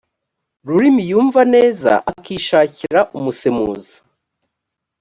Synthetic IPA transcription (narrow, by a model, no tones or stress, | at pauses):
ɾuɾimijuːɱvane̞ːza̰ʔakiːʃaːciɾaʔumusemuːzḁ